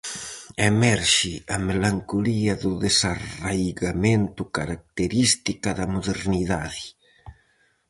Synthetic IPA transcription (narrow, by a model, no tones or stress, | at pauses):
emɛɾʃiamelaŋkuliɐðuðesaajɣament̪ukaɾak̚t̪eɾist̪ikaðɐmuðeɾniðaði